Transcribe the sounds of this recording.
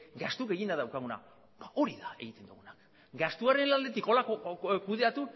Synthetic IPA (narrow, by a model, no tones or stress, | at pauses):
ɡast̪ukeɣind̪aðawkaɣ̞una̰ | bao̞ɾiðae̞̰ɣit̪e̞nd̪ṵɣunak | ɡast̪uaɾe̞nlald̪e̞t̪iko̞lakokuð̞e̞at̪u